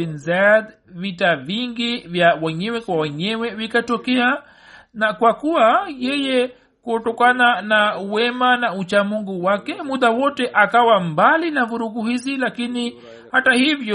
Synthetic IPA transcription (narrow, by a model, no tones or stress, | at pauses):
inzad | vitaviŋɡivjawɛɲɛwɛkwawɛɲɛwɛvikatɔkɛa | nakwakuwajɛjɛ | kuɔtɔkananawɛmanaut͡ʃamuŋɡuwakɛmuɗ̪awɔtɛʔakawambalinavuɾuɡuhizilakini | hatahivjɔ